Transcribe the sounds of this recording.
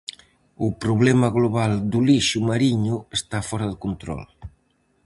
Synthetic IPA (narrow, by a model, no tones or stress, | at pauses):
upɾuβlɛmɐɣloβ̞ald̪uliʃumaɾiɲʊest̪afɔɾɐðɪkunt̪ɾɔ̰l